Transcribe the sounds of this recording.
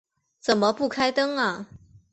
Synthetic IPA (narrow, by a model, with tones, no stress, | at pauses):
t͡sə˨˩nmə˦pu˥˩kʰa˥ɪt̪ɤ˥ŋɐ˨